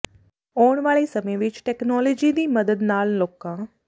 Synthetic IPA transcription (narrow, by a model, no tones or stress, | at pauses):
oːɳ̃ʋaːɭeːsəmẽːʋɪt͡ʃʈɛːknɔːləːd͡ʒiːd̪iːməd̪əd̪naːlloːkãː